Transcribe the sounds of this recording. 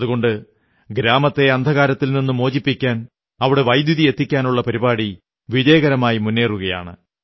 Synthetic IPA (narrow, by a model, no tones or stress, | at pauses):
ɐðuɣo̞ɳɖɨ | ɡɾaːmɐt̪ːe̞ɐnd̪ʱɐɣaːɾɐt̪ːilninːumo̞ːd͡ʑipːikʲːaːn | ɐʋiɽe̞ʋɐjd̪juðije̞t̪ːikʲːaːnuɭːɐpɐɾibaːɽi | ʋid͡ʑeːɣɐɾɐmaːjimunːeːruɣɐja̰ːɳɨ̰